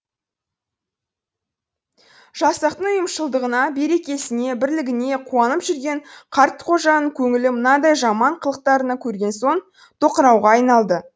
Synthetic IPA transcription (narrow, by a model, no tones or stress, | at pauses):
ʒɑsɑqt̪əɴʊjəmʃəlˠd̪əʁənɑbe̞ɾe̞kʲe̞sɪne̞bɪɾlɪɡʲɪne̞qʰuɑnəpʒʏɾɡʲe̞ɴqʰɑɾt̪qʰo̞ʒɑnəŋkʲʰɵŋɪlɪmənɑd̪ɑjʒɑmɑɴqʰəlˠəq̚t̪ɑɾənɑkʲʰɵɾɡʲe̞nso̞n | t̪ʰo̞qəɾɑwʁɑːjnɑlˠd̪ə